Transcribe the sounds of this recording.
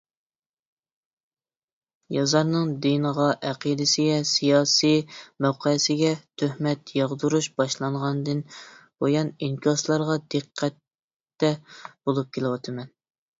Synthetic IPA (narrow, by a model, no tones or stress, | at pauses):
jɑzɑɾnɨŋd̪inəʁɑʔɛqʰid̪ɪsɪɡʲɛsijɑːsijmæwqʰəjsɪɡʲɛt̪ʰøhmɛt̪jɑʁd̪uɾuʃbɑʃlˠɑɴʁɑnd̪ɨnbojɑniŋkʰʲɑslˠɑɾʁɑd̪ɨqʰːæt̪ː | ɛb̥olˠup̚kʲʰelˠɪwɑt̪ʰɨmɛn